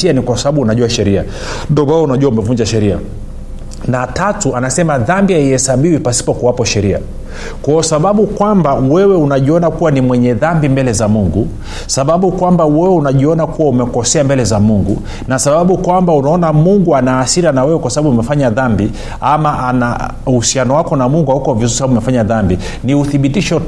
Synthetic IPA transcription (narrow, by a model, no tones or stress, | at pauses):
ianikwasaɓaɓuːnaʄuaʃɛɾia̰ | ndɔaɔunaʄuwaumɛvuɲd͡ʒaʃɛɾia̰ | natatuanasɛmaðambiaihɛsaɓiwipasi̥pɔkuwapɔʃɛɾia̰ | kwaɔsaɓaɓukwambawɛwɛunaʄiɔnakuwanimwɛɲɛðambimbɛlɛzamuŋɡu | saɓaɓukwambawɛwɛunaʄiɔnakuwaumɛkɔsɛambɛlɛzamuŋɡṵ | nasaɓaɓukwambaunaɔnamuŋɡuanaːsiɾanawɛwɛkwasaɓaɓuumɛfaɲaðambi | amaʔana | uhusianɔwakɔnamuŋɡuahukɔvizuisaaɓumɛfaɲaðambi | niuθiɓitiʃɔ